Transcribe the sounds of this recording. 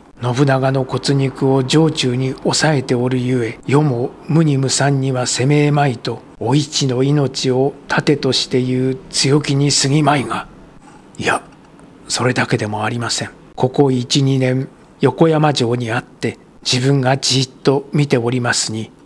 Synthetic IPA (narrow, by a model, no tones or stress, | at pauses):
no̞bɯ̟naɡano̞ko̞t͡sɨɲ̟ikɯ̟o̞ʑo̞ːt͡ɕɨːɲ̟io̞sae̞t̪e̞o̞ɾɯ̟jɯ̟e̞jo̞mo̞mɯ̟ɲ̟imɯ̟sãɲ̟ːiβase̞me̞ːmait̪o̞ː | it͡ɕino̞ino̞t͡ɕio̞t̪ʰat̪e̞t̪o̞ɕi̥t̪e̞jɯ̟ːt͡sɨjo̞kʲiɲ̟isɨɡʲimaiɡa | ia | so̞ɾe̞d̪ake̞d̪e̞mo̞aɾʲimasẽ̞ŋ | kʰo̞ko̞it͡ɕiɲ̟inẽ̞ŋ | jo̞ko̞jamaʑo̞ːɲ̟iat̪ːe̞ | d͡ʑibɯ̟̃ŋɡad͡ʑiːt̪ːo̞mʲit̪e̞o̞ɾʲimasɨɲ̟i